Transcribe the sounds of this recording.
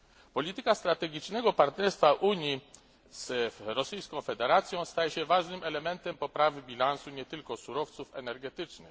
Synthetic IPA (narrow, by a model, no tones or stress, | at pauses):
pɔlʲit̪ɘkast̪ɾat̪ɛɡʲit͡ʂnɛɡɔpaɾt̪nɛɾst̪faʔuɲji | z̥ɾɔsɘjskɔ̃w̃fɛd̪ɛɾat̪sʲjɔ̃w̃st̪ajɛɕɛvaʐnɘmɛlɛmɛnt̪ɛmpɔpɾavɘbʲilansuɲɛt̪ɘlkɔsuɾɔft̪sufɛnɛɾɡɛt̪ɘt͡ʂnɘ̰x